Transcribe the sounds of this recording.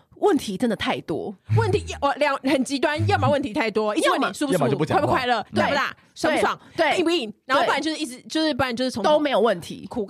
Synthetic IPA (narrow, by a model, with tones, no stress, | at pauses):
wə˥˩nt̪ʰi˨˥ʈ͡ʂə˦nd̪ə˨t̪ʰa˥˩ɪt̪wɔ̰˥wə˥˩nt̪ʰi˧˦˨ɔ˨˩ljɑ˨˦ŋxə˨˩nt͡ɕi˧˥t̪wa˦njɑ˥˩ma˨˩wə˥˩nt̪ʰi˧t̪ʰa˥˩ɪt̪wɔ˥i˥˩˧wə˥˩ni˨˩su˥˧pu˧˥˨o˧u˥˩˨pu˥kʰwɪlə˥˩t̪wpu˧t̪a̰˥˩ | swa˨˥wɑ̰˨˦ŋwe˦˥˧i˥˧pu˥˧i˥˩ŋɻa˧˥n˥˧˩pa˨˩˨t͡ɕjʊʂ̩˥˧i˥˩ʈ͡ʂɻ̩˧˦t͡ɕjo˥˧ʊʂ̩˥˩pa˧˩˨jʂ̩ʰ˥˩o˧t̪o˥˦ʊme˧˥ɪjo˨˩ʊwə˥˩nt̪ʰḭ˧˦kʰu˨˩